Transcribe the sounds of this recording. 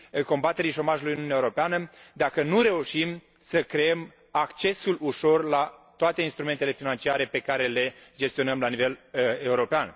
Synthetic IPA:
ko̞mbat̪e̞ɾiʃo̞maʒulujnunɛaeuɾopeanəd̪akənuɾe̞uʃim | səkɾeem | akt͡ʃe̞suluʃo̞rlat̪oat̪e̞inst̪ɾume̞nt̪ele̞finant͡ʃiaɾe̞pe̞kaɾe̞le̞d͡ʒest̪io̞nəmlanive̞le̞uɾo̞pean

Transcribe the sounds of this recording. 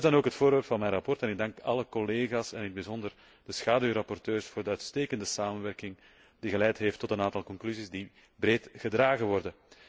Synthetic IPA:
zdɑnoːkɦətfoːɾʋɛrpfɑnmɛjnrɑpɔrtɛnɪɡ̚dɑŋkɑləkɔleːɣaːsɛnɪnd̚bizɔndər | d̥əsxaːdyːɾɑpɔrtøːrsfoːrdəœɥtsteːkəndəsaːmənʋɛrkɪŋ | d̥iɣəlɛjtɦeːftːɔtənaːntɑlˠkɔŋklyzizdi | breːtɣədraːɣənʋɔrdə

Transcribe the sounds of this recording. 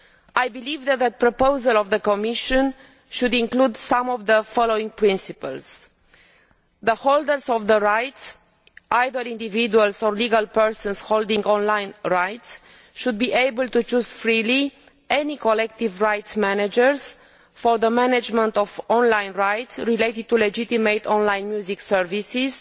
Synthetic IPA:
ajbilivðɛt̪̚ðət̪̚pɾopowzalɔvðəkomiʃɔ̃n | ʃud̪ĩŋklud̪sãmɔvðəfɔlowĩŋɡ̚pɹĩnsipəls | ðəhold̪əɾsɔvðəɹajts | ʔajðəɾĩnd̪ividualsɔɹliɡalpəɹsə̃nshold̪ĩŋɡɔ̃nlajnɹajt̪s | ʃud̪̚biʔejbəlt̪ut͡ʃuz̥fɾili | enikʰolɛkt̪ivɹajt̪smænad͡ʒəɹs | fɔɾðəmænad͡ʒmə̃nt̪ɔvɔ̃nlãjnɹajt̪sɹilejt̪id̪̚t̪uled͡ʒit̪imejt̪ʰɔ̃nlaj̃nmjuziksəɹvisiz̥

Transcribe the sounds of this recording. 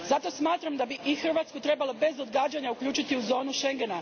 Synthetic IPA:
zat̪o̞smaːt̪ɾamd̪abiʔixr̩ʋat̪skut̪ɾe̞balˠo̞be̞zo̞d̪ɡaːd͡ʑaɲaukʎʲuːt͡ʃit̪iuzo̞ːnuʃe̞ŋɡe̞na

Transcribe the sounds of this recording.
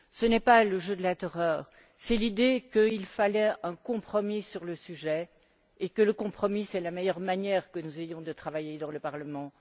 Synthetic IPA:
sənɛpaləʒød̪əlat̪ɔʁœːʁ | sɛlid̪ekəilfalɛɛ̃kɔ̃pχɔmisyʁləsyʒɛ | ekələkɔ̃pχɔmisɛlamejœʁmanjɛʁkənuzejɔ̃d̪ət̪χavajed̪ɑ̃ləpaʁləmɑ̃

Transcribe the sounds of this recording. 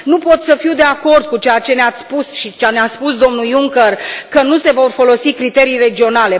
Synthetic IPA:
nupo̞t̪səfiwd̪e̞ako̞rd̪̚kut͡ʃejat͡ʃe̞neat̪sʲpusʃit͡ʃaneaspusd̪o̞mnujuŋkərkənuse̞vo̞rfo̞lo̞sikɾit̪e̞ɾijre̞d͡ʒio̞nale̞

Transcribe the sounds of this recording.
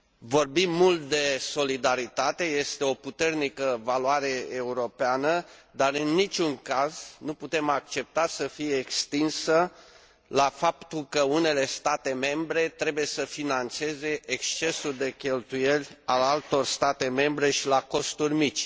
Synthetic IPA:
vo̞rbimːult̪̚d̪e̞so̞lid̪aɾit̪at̪e̞je̞st̪e̞o̞put̪e̞rnikəvaluaɾe̞euɾo̞peanəd̪arɨnːit͡ʃʲuŋkaznuput̪e̞mak̚t͡ʃe̞p̚t̪asəfijeːkst̪insə | lafapt̪ulkəune̞le̞st̪at̪e̞me̞mbɾe̞t̪ɾe̞buje̞səfinant̪se̞ze̞ʔekst͡ʃe̞suld̪e̞kʲe̞lt̪uje̞lʲalalt̪o̞rst̪at̪e̞me̞mbɾe̞ʃilako̞st̪urʲmit͡ʃʲ

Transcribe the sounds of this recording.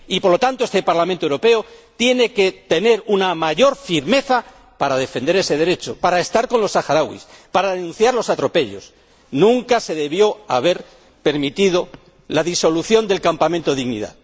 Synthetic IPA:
ipo̞ɾlo̞t̪ant̪oest̪e̞paɾlamẽnt̪oewɾo̞pe̞ot̪je̞ne̞ke̞t̪e̞ne̞ɾunamaʝo̞ɾfiɾme̞θa | paɾaðe̞fe̞nd̪e̞ɾe̞se̞ð̞e̞ɾe̞t͡ʃo̞paɾaest̪aɾko̞nlo̞saxaɾawḭspaɾaðenũnθjaɾlo̞sat̪ɾo̞pe̞ʎo̞s | nũŋkase̞ðe̞βjo̞aβe̞ɾ | pe̞ɾmit̪ið̞o̞ | laðiso̞luθjo̞nd̪e̞lkampamẽnt̪o̞ðiɣnḭða̰ð

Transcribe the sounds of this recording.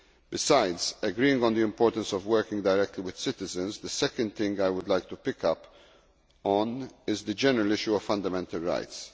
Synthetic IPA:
bɪsaɪdzəɡɾiːɪ̃ŋɡɔ̃nd̪iɪ̃mpɔːɾt̪ə̃nsɔvwɜɾkɪ̃ŋɡd̪aɪɾɛk̚t̪liwɪd̪̥sɪt̪ɪzə̃nzd̪əsɛkə̃nd̪̚θɪ̃ŋɡajwʊd̪lajk̚t̪upɪkʌp | ɔ̃nɪzd̪əd͡ʒɛnəɹəlɪʃjuɔv̥fɐ̃nd̪əmɛ̃nt̪əlɹa̰ɪt̪s

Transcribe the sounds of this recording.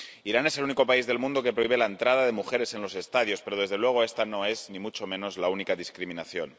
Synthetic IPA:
iɾane̞se̞luniko̞paizðelmũnd̪o̞ke̞pɾoiβe̞lae̞nt̪ɾað̞aðe̞muxe̞ɾe̞se̞nlo̞se̞st̪aðjo̞spe̞ɾoð̞e̞zðe̞lwe̞ɣ̞o̞e̞st̪ano̞e̞znimut͡ʃo̞mẽno̞zlaunikaðiskɾimĩnaθjo̞̰n

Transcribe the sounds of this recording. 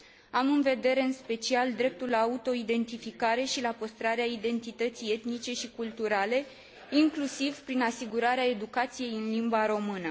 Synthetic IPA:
amɨnve̞d̪e̞ɾe̞ɨnspe̞t͡ʃiald̪ɾe̞p̚t̪ulːaːut̪o̞id̪e̞nt̪ifikaɾe̞ʃilapəst̪ɾaɾeaid̪e̞nt̪it̪ət̪sije̞t̪nit͡ʃe̞ʃikult̪uɾale̞ | iŋklusiv̥pɾinasiɡuɾaɾeae̞d̪ukat̪sije̞jɨnlimbaɾo̞mɨnə

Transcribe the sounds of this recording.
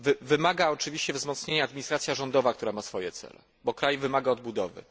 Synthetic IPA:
vvɘmaɡaɔt͡ʂɘvʲiɕt͡ɕɛvzmɔt̪sɲeɲaːd̪mʲiɲist̪ɾat̪sʲjaʐɔnd̪ɔvakt̪uɾamasfɔjɛt̪sɛ̰lɛ̰ | bɔkɾajvɘmaɡaɔd̪̚bud̪ɔvɘ̰

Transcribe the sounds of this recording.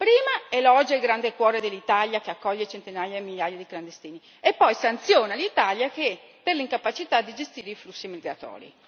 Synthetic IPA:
pɾiːmaɛlɔd͡ʒeilɡɾand̪ekwɔːɾed̪elːit̪aljakeakːɔʎːet͡ʃent̪inajamiʎːjajad̪ikland̪est̪iːni | epːɔjsant̪sjɔːnalit̪aljake | perliŋkapat͡ʃit̪ad̪ːid͡ʒest̪iːɾeiflusːimiɡɾat̪ɔ̰ːɾḭ

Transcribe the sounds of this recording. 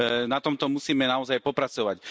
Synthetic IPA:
nat̪ɔmt̪ɔmusiːmɛnaɔzajpɔpɾat͡sɔʋac

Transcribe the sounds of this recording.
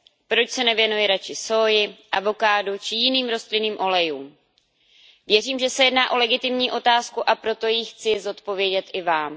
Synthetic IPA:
pɾo̞t͡ʃsɛnɛvjɛnujɪɾat͡ʃɪsoːjɪʔa̰vo̞kaːdut͡ʃɪjɪniːmɾo̞st̪lɪniːmʔo̞lɛjuːm | vjɛriːmʒɛsɛjɛdnaːʔo̞lɛɡɪt̪ɪmɲiːʔo̞t̪aːskuʔapɾo̞t̪o̞jixt͡sɪzo̞t̪po̞vjɛɟɛt̪ʔɪvaːm

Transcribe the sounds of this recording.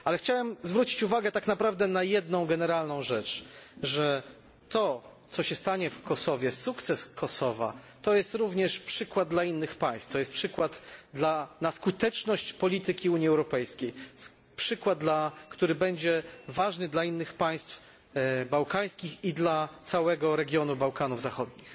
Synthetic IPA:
ʔalɛxt͡ɕawɛmzvɾut͡ɕi̥t͡ɕuvaɡɛt̪aknapɾavd̪ɛnajɛd̪̚nɔ̃w̃ɡɛnɛɾalnɔ̃w̃ʐɛt͡ʂʐɛ | t̪ɔt̪sɔɕɛst̪aɲɛfkɔsɔvʲjɛsukt̪sɛskʰɔsɔva̰ | t̪ɔjɛst̪ɾuvɲɛʂpʂɘkwad̪̚d̪lainːɘxpaj̃st̪ft̪ɔjɛst̪̚pʂɘkwad̪d̪lanaskut̪ɛt͡ʂnɔɕt͡ɕpɔlʲit̪ɘkʲiuɲiɛwɾɔpɛjskʲej | pʂɘkwad̪̚d̪lakt̪uɾɘbɛɲd͡ʑɛvaʐnɘd̪lainːɘxpaj̃st̪f | bawkaj̃skʲixid̪lat̪sawɛɡɔɾɛɡʲjɔnubawkanuvzaxɔd̪̚ɲix

